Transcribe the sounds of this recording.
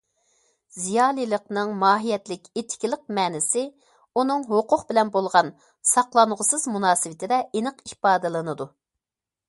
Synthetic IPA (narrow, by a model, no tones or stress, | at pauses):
zijɑːlˠilˠəqnɨŋmɑːɦijɛt̪lɪkʲet̪ʰɪ̥kʲilˠəq̚mɛːnɪsɪ | unɨŋɦoqʰʊqbɪlɛnbolˠʁɑn | sɑqlˠɑɴʁʊsɨzmunɑːsɨwɪt̪ʰɪd̪ɛʔenɨqihpɑːd̪ɨlˠɨnɨd̪u